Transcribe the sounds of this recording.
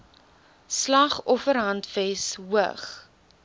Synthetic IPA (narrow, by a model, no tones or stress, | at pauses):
slɐχɔfəɾɦɐntvɛsɦuəχ